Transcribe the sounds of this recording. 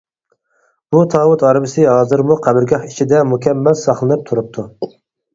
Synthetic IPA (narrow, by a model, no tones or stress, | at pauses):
b̥ut̪ʰɑːwut̪ɑɾbɪsɨɦɑːzɨɾmuqʰæbɪɾɡʲɑhit͡ʃʰid̪ɛmukʲʰɛmːɛlsɑχlˠɨnɨp̚t̪ʰuɾup̚t̪ʰu